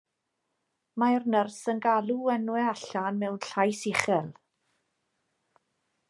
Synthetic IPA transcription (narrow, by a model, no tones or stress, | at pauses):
majrnərsənɡalˠuɛnwɛaɬanmɛwnɬajsɪχɛlˠ